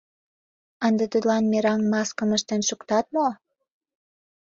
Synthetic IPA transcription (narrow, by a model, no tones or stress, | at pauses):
ənd̪et̪ud̪lɑnmeɾɑŋmɑskə̆məʃt̪enʃukt̪ɑt̪̚mo